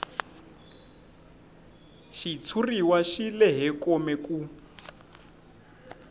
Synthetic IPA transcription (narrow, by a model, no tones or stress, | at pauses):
ʃit͡sʰuriwaʃilɛɦɛkomɛku